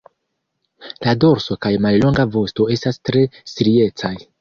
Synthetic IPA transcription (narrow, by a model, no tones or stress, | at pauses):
lado̞ɾso̞kajmallo̞ŋɡavo̞sto̞e̞stastɾe̞siɾie̞t͡saj